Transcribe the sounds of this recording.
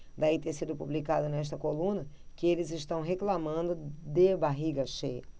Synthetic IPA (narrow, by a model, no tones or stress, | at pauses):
d̪ait̪esid̪ʊpublikad̪ʊnɛʃ̬t̪ɐkolũnɐ | kɪelɪzɪʃt̪ɐ̃w̃ɦeklamɐ̃nd̪ʊd̪ebaɦiɡɐʃejɐ